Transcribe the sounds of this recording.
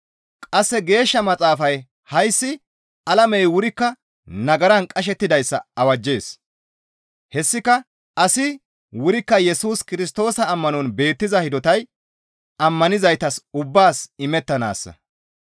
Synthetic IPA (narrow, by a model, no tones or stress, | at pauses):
kʼɐsːɛɡe̞ːʃːɐmɐt͡sʼaːfɐj | hɐjsːɪ | ɐlɐmɛjwʊɾɪkːɐ | nɐɡɐɾɐnkʼɐʃ̬ɛt̪ːɪd̪ɐjsːɐɐwɐd͡ʒːe̞ːs | hɛsːɪkɐ | ɐsɪ | wʊɾɪkːɐjɛsuːskɪɾɪs̬t̪o̞ːsɐːmːɐnɔnbe̞ːt̪ːɪzɐhɪd̪ɔt̪ɐj | ɐmːɐnɪzɐjt̪ɐsʊbːaːsɪmɛt̪ːɐna̰ːsːɐ̰